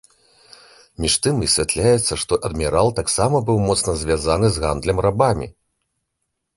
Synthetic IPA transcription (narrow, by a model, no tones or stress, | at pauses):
mʲiʂt̪ɨmisʲvʲat̪lʲajɛt̪sːɐʂt̪ɔʔɐd̪mʲiɾalˠt̪aksamɐbɨwmɔt̪snɐzʲvʲazanɨzɣa̰nd̪lʲɐmrabamʲḭ